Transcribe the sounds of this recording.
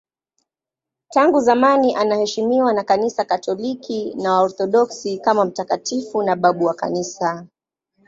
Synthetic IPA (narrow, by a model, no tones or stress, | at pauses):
taŋɡuzamaniʔanahɛʃimiwanakanisakatɔlikinawaɔɾθɔɗɔksikamam̩takatifunaɓaɓuwaka̰nisa